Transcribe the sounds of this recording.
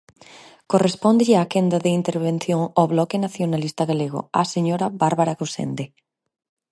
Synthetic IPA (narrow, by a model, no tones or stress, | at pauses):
korespɔnd̪ʎɪakend̪aðeint̪eɾβen̟θjoŋaβlɔkɪnaθjonalist̪aɣaleɣ̞o̰aseɲoɾabaɾβaɾaɣusḛnd̪e